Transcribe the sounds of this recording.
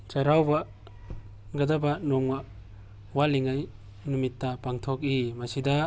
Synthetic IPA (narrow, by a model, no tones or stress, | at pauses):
t͡ʃaɾawbɐ | ɡɐdɐbɐnɔmɡa | waliŋaj | numitːɐpaŋtʰok̬̚imɐsidɐ